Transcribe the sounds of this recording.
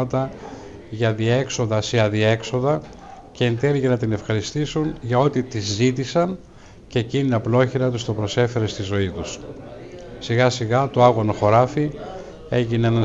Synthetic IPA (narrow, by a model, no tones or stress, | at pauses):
ɐt̪ɐ | ʝɐðiɐe̞kso̞ðɐseɐðie̞kso̞ðɐ | ce̞ːnt̪eliʝenɐt̪ine̞fxɐɾist̪isunʝɐo̞t̪it̪izːit̪isɐn | ceːciniɐplo̞çiɾɐt̪ust̪o̞pɾo̞se̞fe̞ɾe̞st̪izo̞it̪us | siɣɐsiɣɐt̪oɐɣonoxo̞ɾɐfi | e̞ʝineenɐ